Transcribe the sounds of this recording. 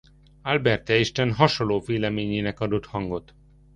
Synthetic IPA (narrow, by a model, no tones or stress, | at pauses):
albɛrt̪ɛiʃt̪ɛnɦɒʃolːoːveːlɛmeːɲeːnɛkɒd̪o̞t̪hɒŋɡo̞t̪